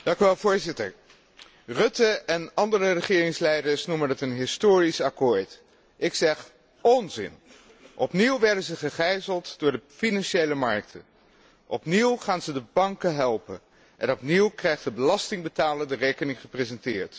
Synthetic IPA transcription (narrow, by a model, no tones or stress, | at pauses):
d̥ɑŋkyʋɛlˠvʊːɹzɪtəɹ | rɵtəʔɛnɑndərərəχɪːrɪŋslɛjdəɹsnuməndətənɦɪstoːrisɑkʊːɹt | ʔɪksɛχ | ɔnzɪ̰n | ʔɔpniwʋɛɹdənzəχəχɛjzəlˠtdʊːɹdəfinɑnʃejləmɑɹk̚tʰə | ʔɔpniwχaːnzədəbɑŋkəɦɛlˠpən | ʔɛnɔpniwkrɛjχtdəbəlɑstɪŋbətaːləndərejkənɪŋχəprezɛntɪːɹt